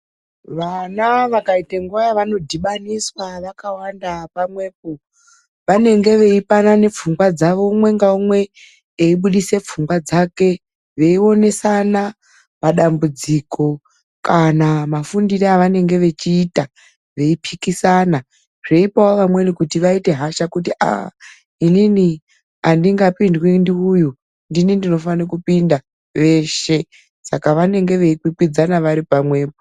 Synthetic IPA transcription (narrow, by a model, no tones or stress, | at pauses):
ʋanaʋakaiteŋɡajaʋano̞dʱiɓaniswaʋakawandapamwe̞ːp̚o | ʋane̞ŋɡe̞ʋe̞ipanane̞p͡fuŋɡwad͡zaʋo̞mwe̞ŋɡaumwe̞ː | iɓuɗise̞p͡fuŋɡwad͡zake̞ | ʋe̞io̞ne̞sana | paɗambud͡ziko̞ | kanamafundireaʋane̞ŋɡe̞ʋe̞t͡ʃiːta | ʋe̞ipʰikisana | ʐe̞ipawoʋamwe̞nikutiʋaite̞ɦaʃakut̬iʔa̰ | inini | andiŋɡapindwindiuju | ndinindino̞fanikupinda | ʋe̞ʃe̞ | sakaʋane̞ŋɡe̞ʋe̞ikikwid͡zanaʋaɾipamwe̞ːpo